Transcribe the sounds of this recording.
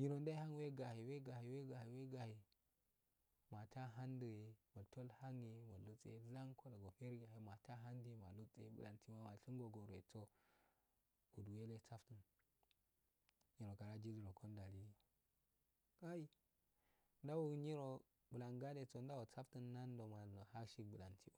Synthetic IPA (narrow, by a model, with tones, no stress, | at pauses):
ɲi˨ɾo˨nda˦ha˦ŋ˦we˦ɡa˨he˨we˦ɡa˨hi˨we˦ɡa˨hi˨we˦ɡa˨he˨ | ma˨ta˦ɦa˦ndu˨e˨mo˨tʰo˦lha˦ŋe˨mo˨lu˦t͡sʼḛ˦za˦ŋkʰo˦da˨ɡo˨fe˦ɾɡa˨he˨ma˨ta˦ɦa˦ndi˦˨ma˨lu˦t͡sʼḛ˦bṵ˨la̰˨ntʰi˦wa˦ma˨ɬi˦ŋɡo˨ɡo˨ɾe˨t͡so˦ | u˨du˨we˦le˦t͡sa˦ftu˨n | ɲi˨ɾo˨ka˨ɾa˦d͡ʒi˦li˨ɾo˨kʰo˦nda˨li˦o˨ | ɡa˦ji˦ | nda˦wu˦ɲi˦ɾo˨ | bu˨la˨ŋɡa˦de˨t͡so˦n˦da˦wo˨t͡sa˦ftu˦nːa˦n˦do˨ma˨no˨ha˦ʃi˦bu˨la˨ntʰi˦o˨